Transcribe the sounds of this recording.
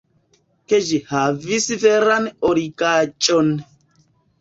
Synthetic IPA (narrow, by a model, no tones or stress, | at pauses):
ked͡ʒihavisivɛɾanɔɾikat͡ʃʼɔn